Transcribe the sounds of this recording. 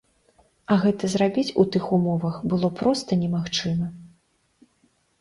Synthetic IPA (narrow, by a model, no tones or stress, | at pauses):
ɐɣɛt̪ɐzɾabʲit͡sʲut̪ɨxumɔvɐxbɨlˠɔpɾɔst̪ɐnʲɛmaxt͡ʂɨmɐ